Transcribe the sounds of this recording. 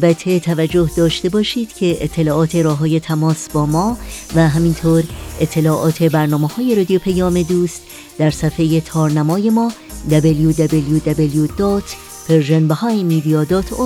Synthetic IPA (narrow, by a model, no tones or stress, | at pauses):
ælbæt̪ʰe̞t̪ʰævæd͡ʒːo̞hd̪ɒːʃt̪e̞bɒːʃiːd̪̥cʰe̞et̪ʰːe̞lɒːʔɒːt̪ʰe̞ɾɒːɦɒːje̞t̪ʰæmɒːsbɒːmɒːvæɦæmint̪ʰoːɾet̪ʰːe̞lɒːʔɒːt̪ʰe̞bæɾnɒːmehɒːje̞ɾɒːd̪ijopʰejɒːme̞d̪uːst̪ | d̪æɾsæfejet̪ʰɒːɾnæmɒːje̞mɒː | d̪æbeljud̪æbeljud̪æbeljud̪ɒːt̪ʰ | pʰeɾʒenbehɒjmid̪iɒːd̪ɒːt̪ʰo